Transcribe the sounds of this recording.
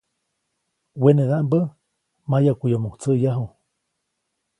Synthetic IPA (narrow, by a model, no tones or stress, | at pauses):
weneðaʔmbə | majakʷujomuht͡səʔjaɦu